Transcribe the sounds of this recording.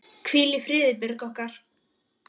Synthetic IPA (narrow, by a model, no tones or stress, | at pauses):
kʰv̥iːlɪfɾɪːðɪpɪɾkɔhkaɾ̥